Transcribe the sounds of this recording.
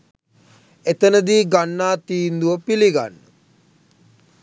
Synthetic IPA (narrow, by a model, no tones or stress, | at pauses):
et̪ənəd̪iːɡanːaːt̪iːnd̪uʋəpiliɡa̰nːə